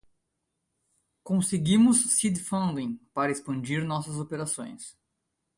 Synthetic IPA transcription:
kõseɡĩmʊsːid̪fɐ̃nd̪ĩŋpaɾɐespɐ̃nd͡ʒiɾnɔsɐzopeɾasõ̰j̃s

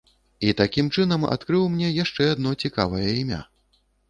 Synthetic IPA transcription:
it̪akʲimt͡ʂɨnɐma̰t̪kɾɨwmnʲɛjaʂt͡ʂɛad̪̚nɔt͡sʲikavɐjɐimʲa̰

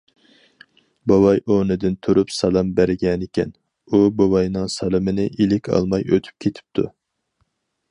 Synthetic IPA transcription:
bɑwɑjʔonɨd̪ɪnt̪ʰuɾupsɑlˠɑmbæɾɪɡʲɛnɪkʲɛ̰n | ubɑwɑjnɨŋsɑlˠɨmɪnɪʔilɪkʲʰɑ̰lˠmɑjø̰t̪ʰy̥p̚kʲʰet̪ʰɪ̥p̚t̪ʰu

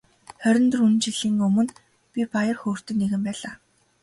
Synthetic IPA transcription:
χœɾʲɞ̆nt̪ɵ̆runt͡ɕiɮiːŋɵmɵ̆n | pʲipajə̆rxoːr̥t̪ɵ̆nːeɣɘ̆mpæːɮaː

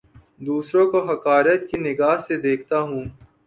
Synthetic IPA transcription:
d̪uːsɾõkoɦɐkaːɾət̪̚kinɪɡaːɦsed̪eːkʰt̪aɦũː

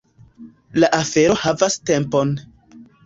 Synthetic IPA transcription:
laʔafe̞ɾo̞havaste̞mpo̞n

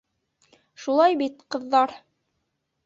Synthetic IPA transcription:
ʃulˠɑjbit̪qɤ̆ðːɑɾ

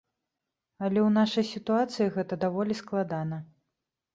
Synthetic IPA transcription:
ɐlʲɛwnaʂɐjsʲit̪uat̪sɨjiɣɛt̪ɐd̪avɔlʲisklˠad̪an̪ɐ

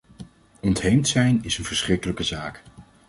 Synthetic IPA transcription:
ɔntɦejmtsɛjnɪsənv̥əɹsχrɪkələkəzaːk

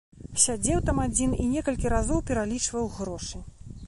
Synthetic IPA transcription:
sʲad͡zʲɛwt̪amad͡zʲininʲɛkɐlʲkʲiɾazɔwpʲɛɾalʲit͡ʂvɐwɣɾɔʂɨ

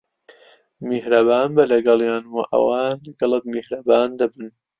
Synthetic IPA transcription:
mihɾɐbaːnbɐlɐɡɐlˠjaːnwɐ̰ʔɐ̰waːlɐɡɐlˠək̚mihɾɐbaːnd̪ɐbɨn

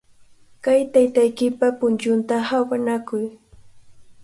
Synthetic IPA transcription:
kajt̪ajt̪ajkɪpapʊnt͡ʃʊnt̪ahawanakʊj

